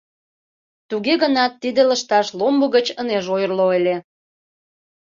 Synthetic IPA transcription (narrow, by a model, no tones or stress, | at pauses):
t̪uɣeɣənɑt̪ːid̪eləʃt̪ɑʃlombuɣət͡ɕəneʒojərloelʲe